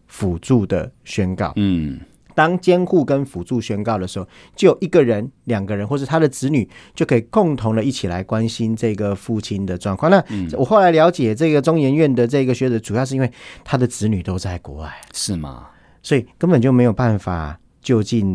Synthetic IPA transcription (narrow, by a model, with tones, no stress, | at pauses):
fu˨˩t͡su˥˩d̪ə̰˩ɕɥɛ˥nkɑ̰˥˩ʊ˩ | t̪ɑ˥ŋt͡ɕjɛ˥nxu˥˧kə˦nfu˨˩t͡su˥˩ɕɥɛ˥nkɑ˥˩ʊd̪ə˩ʂɻ̩˧˥xo˨ʊ | t͡ɕjo˥˩ʊjo˨˩ʊi˧˥ɡə˨ɻə˧˦nljɑ˨˩ŋɡə˨˦ɻə˧˦˥xwʂ̩˥˩t̪ʰa˥d̪ə˨t͡sɹ̩˧˥ny˨˩t͡ɕjo˥˧ʊkʰə˧˥i˨˩kʊ˥˩ŋt̪ʰʊ˧˥ŋlə˧i˥˩t͡ɕʰi˨˩la̰˧˦ɪkwa˦nɕi˦nʈ͡ʂɤ˥˩i˧ɡə˩fu˥˩t͡ɕʰi˥nd̪ə˨ʈ͡ʂwɑ˥˧ŋkʰwɑ˥˨ŋna˥˨wɔ˨˩xo˥˩la˧˥ɪljɑ˧˥ʊt͡ɕjɛ˨˩t͡sɤ˥˩˧ɡə˩ʈ͡ʂʊ˥ŋjɛ˧˥nɥɛ˥˩nd̪ə˩ʈ͡ʂɤ˥˩i˧˥ɡə˨˩ɕɥɛ˧˥t͡sə˧˥t͡su˨˩jɑ˥˧ʊʂ̬̩˥˧i˥nwe˥˧˩ɪt̪ʰa˥d̪ə˨t͡sɹ̩˧˥ny˨˩t̪o˥ʊt͡sa˥˩ɪkwɔ̰˧˥wa˥˩ɪʂ̩˥˩mɐ̰˩ | swɔ˧˥i˨˩kə˦nbə˨˩nt͡ɕjo˥˩ʊme˧˥jo˨˩pa˥˩nfa̰˨˩ | t͡ɕjo˥˧ʊt͡ɕi˥˨n